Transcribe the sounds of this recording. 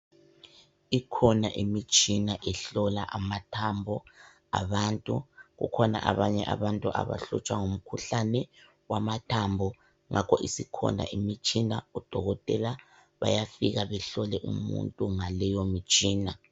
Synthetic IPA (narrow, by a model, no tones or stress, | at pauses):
ikʰɔnaʔimit͡ʃʼinaʔɛɬɔlaʔamatʰambʱɔ | a̰βaːntʼuɣṵkʰɔna̰ʔaβaɲɛ̰ʔa̰βantʼuʔa̰βa̰ɬṵt͡ʃʼwaŋom̩kʰuɬanɛ | wamatʰambʱɔ | ŋʔakʰɔ̰ʔisikʰɔ̰ndʱa̰ʔimit͡ʃʼinaud̥ʱɔɣɔtʼɛla | βa̰jafiɣaβɛɬɔlɛʔumṵntʼuŋalɛjomit͡ʃʼiːna